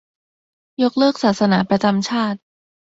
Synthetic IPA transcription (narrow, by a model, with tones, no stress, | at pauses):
jo˦˥k̚lɤː˥˩k̚saː˨˩t̪̚sa˧naː˩˦pɾa˧t͡ɕa˧mt͡ɕʰaː˥˩t̪̚